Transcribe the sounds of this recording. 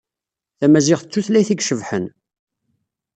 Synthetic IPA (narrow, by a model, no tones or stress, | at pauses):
θæmæzɪʁθət͡sːuθlæjθiɡʃəvħən